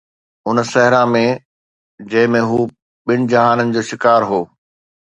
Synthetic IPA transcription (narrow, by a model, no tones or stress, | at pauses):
ʊnsɛɦɪɾãmẽ | d͡ʑɐ̃ɦɪ̃mẽɦuː | ɓɪñɪ̆d͡ʑɐɦaːnənɪ̆d͡ʑoːʃɪkaːɾɦoː